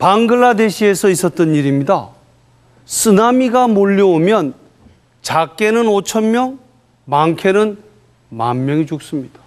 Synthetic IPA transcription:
paŋɡɯɭːade̞ɕʰie̞sʰʌis͈ʌt̚t͈ɯniɾimɲida | sʰɯnamiɡamoʎːiomjʌn | t͡ɕak͈e̞nɯnot͡ɕʰʌnmjʌŋ | maŋkʰe̞nɯn | manmjʌŋit͡ɕuk̚s͈ɯmɲid̥ḁ

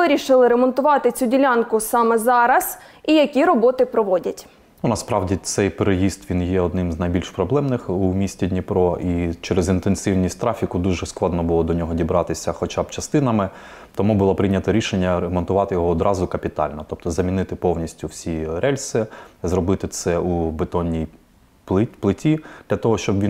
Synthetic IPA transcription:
ɪɾʲiʃɪlˠɪɾemɔnt̪ʊʋɑt̪ɪt͡sʲudʲilʲankʊsɑmɛzɑɾɐz̥ | ijɐkʲiɾɔbɔt̪ɪpɾɔʋɔdʲɐtʲ | nunɐspɾɑwdʲit̪sɛjpeɾejist̪ʋʲinjɛɔd̪nɪmznɐjbʲilʲʃpɾɔblˠɛmnɪxumʲisʲtʲidʲnʲipɾɔit͡ʃɛɾezɪnt̪ensɪwnʲisʲtʲt̪ɾɑfʲikʊd̪uʒɛsklˠɑd̪nɔbʊlˠɔd̪ɔnʲɔɦɔdʲibɾɑt̪ɪsʲɐxɔt͡ʃabt͡ʃɐst̪ɪnɐmɪ | t̪ɔmubʊlˠɔpɾɪnʲɐt̪ɐɾʲiʃenʲːɐɾemɔnt̪ʊʋɑt̪ɪjɔɦɔːd̪ɾɑzʊkɐpʲit̪ɑ̰lʲnɔt̪ɔp̚t̪ɔzɐmʲinɪt̪ɪpɔwnʲisʲtʲʊwsʲiɾɛlʲsɪzɾɔbɪt̪ɪt̪sɛubet̪ɔnʲːij | pplˠɪtʲid̪̥lʲɐt̪ɔɦɔʃt͡ʃɔbʋʲi

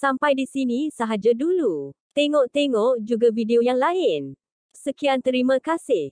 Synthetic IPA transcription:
sampajdisinĩsaɦad͡ʒadulut̪eŋɔʔt̪eŋɔʔd͡ʒuɡavideojaŋlaɪn | səkiant̪əɾimãkasɪh

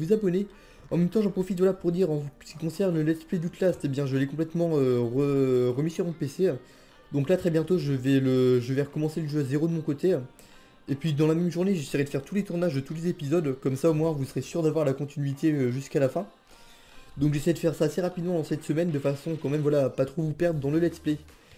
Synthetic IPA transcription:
vuzabɔne | ɑ̰̃mɛmt̪ɑ̃ʒɑ̃pχɔfit̪vwalapuʁd̪iʁɑ̃sə̥kʲikɔ̃sɛʁnəlɛspled̪ut̪last̪ebjɛ̃ʒəlɛkɔ̃plɛt̪mɑ̃øʁəʁəmisyʁmɔ̃pese | d̪ɔ̃klat̪χɛbjɛ̃t̪oʒəvɛləʒəvɛʁəkɔmɑ̃seləʒøazeʁod̪əmɔ̃kot̪e | epɥid̪ɑ̃lamɛmʒuʁneʒeseʁɛd̪əfɛʁt̪ulet̪uʁnaʒd̪ət̪ulezepizɔd̪kɔmsaomwɛ̃vusəʁesyʁd̪avwaʁlakɔ̃t̪inɥit̪eøʒyskalafɛ̃ | d̪ɔ̃kʒesɛjd̪əfɛʁsaːseʁapid̪mɑ̃d̪ɑ̃sɛt̪səmɛnd̪əfasɔ̃kɑ̃mɛmvwalapat̪χovupɛʁd̪ʁəd̪ɑ̃ləlɛt̪splɛ

